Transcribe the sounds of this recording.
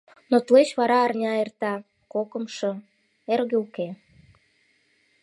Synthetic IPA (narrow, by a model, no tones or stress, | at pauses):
not̪let͡ɕβɑɾɑːrnʲɑert̪ɑ | kokə̆mʃɤ | eɾɣeuke